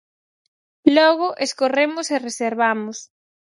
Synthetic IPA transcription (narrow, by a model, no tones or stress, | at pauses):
lɔɣʊʔeskoremʊsereseɾβamʊs